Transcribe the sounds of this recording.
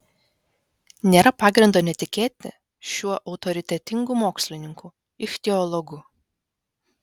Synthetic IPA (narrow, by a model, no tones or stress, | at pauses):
nʲeːɾɐpɑːɡɾʲɪnd̪oːnʲɛt̪ʲɪkʲeːt̪ʲɪ̰ | ʃʲuɔʔɔʊt̪ɔɾʲɪt̪ʲɛt̪ʲɪŋɡumoːksʲlʲɪnʲɪŋkuː | ɪʃt̪ʲɛɔlˠɔɡʊ